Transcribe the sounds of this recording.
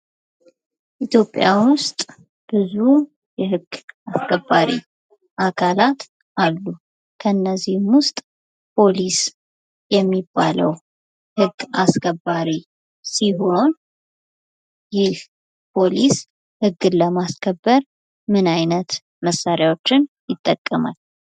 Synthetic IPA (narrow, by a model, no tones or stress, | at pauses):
ʔit̪ʰjo̞pʼjawʊst̪ʼ | b̥ɨzu | jɛɦɨɡːaskʰəbːaɾḭ | ʔakʰalat̪ | ʔalːu | kʰəɨnːəzihmwʊst̪ʼ | pʰo̞lis | jɛmːibːalə̰w | hɨɡːaskʰəbːaɾi | siɦo̞n | jɪl | pʰo̞lis | hɨɡːɨləmaskʰəbːəɾ | mɨnajnət̪ | məsːaɾjawo̞t͡ʃːɪnjɪt̪ʼːəkʼːəma̰l